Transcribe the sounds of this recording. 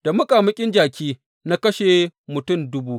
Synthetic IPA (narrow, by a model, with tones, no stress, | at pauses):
d̥a˨mʊ˦kʼaː˨mɐ˦kʲʼɪ˦nd͡ʒaː˨kʲiː˦ | na˦kɐ˦ʃe˨mʊ˨tʊ˦˨mdʊ˦buː˦ʔ